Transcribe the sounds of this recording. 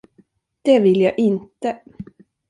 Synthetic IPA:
d̪̥ɛvɪljɑːʔɪnt̪ə

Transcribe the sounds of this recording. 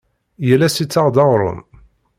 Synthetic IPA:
jəlːæsit͡sːɑʁd̪ɑʁɾˤʊ̰m

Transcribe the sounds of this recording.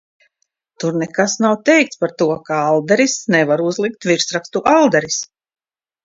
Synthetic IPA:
t̪uɾnɛkasnawt̪ɛjk̚t̪spaɾt̪uɔkaalˠd̪ɛɾisnɛvaɾuzlˠik̚t̪viɾsɾakst̪uʔalˠd̪ɛɾis

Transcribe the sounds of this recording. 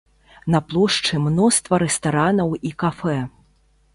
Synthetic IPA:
nɐplˠɔʂt͡ʂɨmnɔst̪vɐɾɛst̪aɾanɐwikafɛ

